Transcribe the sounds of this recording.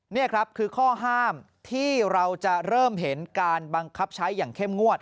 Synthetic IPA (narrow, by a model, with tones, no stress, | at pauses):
ni˥˩ɐkʰɾa˦˥p̚kʰɯː˧kʰɔː˥˩ɦaː˥˩m | t̪ʰiː˥˩ɾa˧wt͡ɕa˨˩ɾɤː˥˩mɦe˩˦nkaː˧nba˧ŋkʰa˦˥p̚t͡ɕʰa˦˥jːaː˨˩ŋkʰe˥˩mŋu˥˩ət̪̚